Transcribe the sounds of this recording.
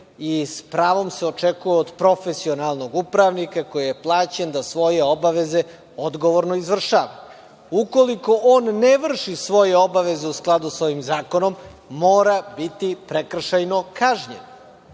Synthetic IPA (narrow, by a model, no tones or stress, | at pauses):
ispɾaːʋo̞mseot͡ʂekujeod̪pɾo̞fesio̞nalˠno̞ɡupɾaʋnikako̞jijeplˠaːt͡ɕend̪asʋo̞jeobaʋeze | od̪ɡo̞ʋoɾnoizʋr̩ʃaːʋa | uko̞liko̞ʔoːnːeʋr̩ʃisʋo̞jeo̞baʋe̞ze̞usklˠad̪usʋo̞imzaːko̞no̞mːoːɾabit̪ipɾekr̩ʃajno̞kaːʒɲḛn